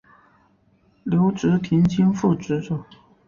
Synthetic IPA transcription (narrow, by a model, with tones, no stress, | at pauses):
ljo˧˥ʊʈ͡ʂɻ̩˧˥t̪ʰi˧˥nt͡ɕʰi˥ŋfu˥˩ʈ͡ʂɻ̩˧˥ʈ͡ʂu˨˩˦